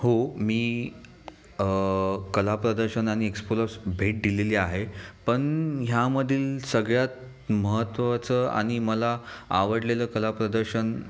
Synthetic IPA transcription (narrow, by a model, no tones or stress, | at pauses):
homiː | kəlapɾəd̪əɾɕənaɽ̃iekspoləsbʱeʈ̚d̪ileliːaɦepəɳɦjaməd̪ʱiːlsəɡɭjat̪̚ | məɦət̪ːʋət͡səa̰ɽ̃iməlaa̰ʋəɽleləːkəlapɾəd̪əɾɕən